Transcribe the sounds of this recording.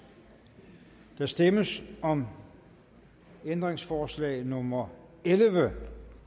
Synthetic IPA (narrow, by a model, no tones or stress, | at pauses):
d̥ɑ̈sd̥eməsɒ̽m | end̥ʁeŋsfɒːslɛ̰ːnɔ̽mɐ | elʋə